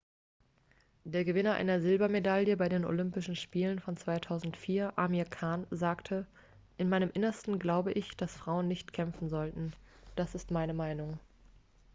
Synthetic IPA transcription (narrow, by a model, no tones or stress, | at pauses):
d̥eːɐɡəvɪnɐʔa̰ɪnɐzɪlbɐmedaljəbaɪdeːno̰lʏmpɪʃn̩ʃpiːlənfɔnt͡sv̥aɪtʰaʊzn̩tfiːɐʔamiɐkʰaːnzaːktʰə | ʔɪnmaɪnəmʔɪnɐstn̩ɡlaʊbəʔɪçd̥asfʁ̥aʊənːɪçtkʰɛmfn̩zɔltn̩ | d̥asɪstmaɪnəmaɪnʊŋ